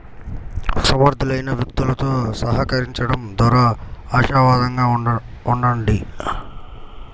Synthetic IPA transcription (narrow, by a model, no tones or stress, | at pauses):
sɐmɐɾd̪ʱilɐjnɐʋjukt̪ulɐt̪o̞ːsɐɦɐkɐɾiɲt͡ʃɐɽɐmd̪ɐːɾaaːʃaːʋaːd̪ɐŋɡaːuɳɖɐɳɖi